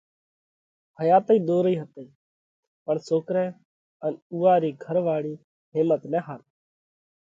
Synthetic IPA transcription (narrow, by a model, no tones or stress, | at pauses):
ɦəjaːt̪ːiːɗ̪oːɾiːɦət̪əiː | pəɳsoːkɾɛ̃ː | ənuːaːɾiːɡʱəɾʋaːɭiː | ɦɪ̃ːmət̪nɛ̃ːɦaːt̪